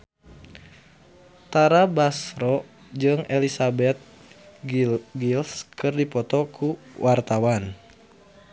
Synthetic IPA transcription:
t̪aɾabasɾɔ | d͡ʒɨŋelisabɛt̪̚ | ɡilskɨrdipɔt̪ɔkʰuwʔart̪awan

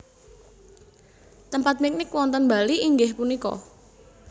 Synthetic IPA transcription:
t̪əmpat̪̚mik̚nɪkwɔnt̪ənba̤liʔiŋɡɪhpunikɔ̰

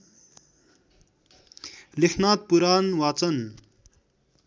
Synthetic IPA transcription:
likʰnaːt̪̚puɾanwat͡sʌn

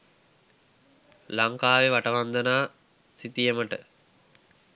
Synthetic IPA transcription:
laŋkaːʋeʋaʈɐʋand̪ənaː | sit̪ijəməʈə

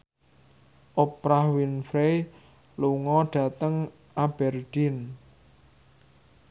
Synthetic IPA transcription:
ʔopɾahwinfɾe | luŋɔɖ̥a̤t̪əŋ | ʔab̥ɛrd̥in

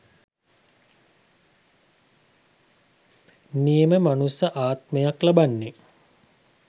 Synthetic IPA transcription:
nieməmanusaʔaːt̪mejaklabanːe

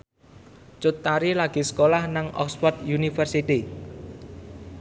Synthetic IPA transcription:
t͡ʃʊt̪ːaɾilaɡ̥isə̥kolahnaŋɔ̰kspɔrt̪̚junifərsit̪i

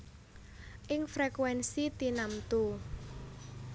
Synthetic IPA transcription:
ʔɪŋfɾekwɛnsit̪inamt̪u

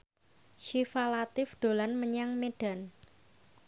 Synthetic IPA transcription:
ʃifalat̪ɪfd̥o̤lanməɲaŋmeɖ̥a̤n

